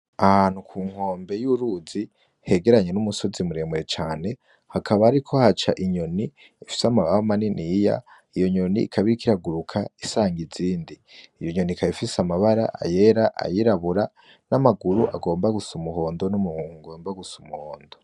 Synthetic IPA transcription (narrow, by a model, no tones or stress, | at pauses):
aan̥ukʰuːŋ̥ho̞ːmbe̞juɾuːzi | he̞ɡe̞ɾaɲe̞numuso̞zimuɾemuɾet͡ʃaːne̞ | hakʰaβaːɾikʰo̞hat͡ʃaʔiɲo̞ni | fi̥samaβamaninija̰ | ijo̞ɲo̞nḭːkʰaβiɾikiɾaɡuɾukʰaisaːŋɡiziːndiː | joɲo̞nikʰaifisamaβaɾa̰ʔa̰je̞ɾaʔa̰jiɾaβuɾa | namaɡuɾuʔa̰ɡo̞ːmbaɡusumuho̞ːndo̞numuuŋɡo̞ːmbaɡusumuhoːndo̞